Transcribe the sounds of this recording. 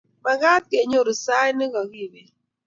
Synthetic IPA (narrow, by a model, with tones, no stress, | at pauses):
ma˨ɣa˦t̚ke˨ɲo˦˨ɾi˨sa˦jni˦ɣɔ˨ɣi˦˨be˨